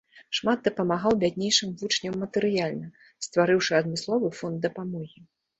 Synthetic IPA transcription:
ʂmad̪̚d̪ɐpɐmaɣawbʲad̪ʲnʲejʂɨmvut͡ʂnʲɐmːɐt̪ɨɾɨjalʲnɐ | st̪vaɾɨwʂɨɐd̪mʲɨslˠɔvɨfɔnd̪̚d̪ːɐpamɔɣʲi

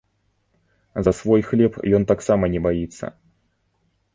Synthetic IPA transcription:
zɐsvɔjxlʲɛpjɔnt̪aksamɐnʲɛbajit̪sːɐ̰

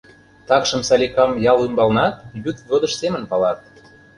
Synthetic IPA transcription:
t̪ɑkʃə̆msɑlʲikɑmjɑlymbɑlnɑt̪̚jyt̪vod̪ə̆ʃsemə̆npɑlɑt̪̚

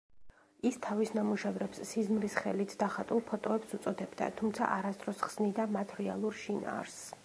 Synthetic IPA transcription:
ist̪ʰavisnamuʃɛvɾɛpsːizmlisχɛlit̪ʰd̪̥aχat̪ʼulˠpʰɔt̪ʼɔɛpsut̪sʼɔd̪ɛbd̪a̰t̪ʰumt̪sʰa̰ʔaɾast̪ʼɾɔsχsnid̪amat̪ʰɾɛalˠuɾʃina̰ːɾs

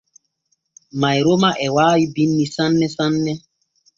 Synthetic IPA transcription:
majɾomaʔɛwaːjibinːisãnːɛsãnːɛ

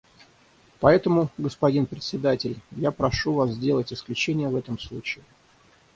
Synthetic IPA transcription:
pɐɛt̪əmʊɡəspɐdʲinpɾʲɪt̪ʲsʲɪd̪atʲɪlʲjapɾɐʂuvaszʲdʲelˠətʲɪsklʲʉt͡ɕenʲɪjəvɛt̪əmslˠut͡ɕɪɪ

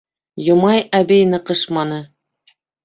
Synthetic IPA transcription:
jŏmɑjæbijnɤqɤʃmɑnɤ

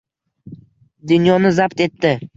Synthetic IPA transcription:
d̪ʊnjɒnɪzabt̪e̞t̪ʰːɪ

